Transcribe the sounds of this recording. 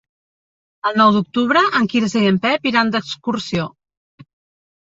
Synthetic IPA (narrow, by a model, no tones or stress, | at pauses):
əlˠnɔwd̪uk̚t̪uβɾəʔəŋkiɾəzeempɛpiɾand̪əkskuɾsio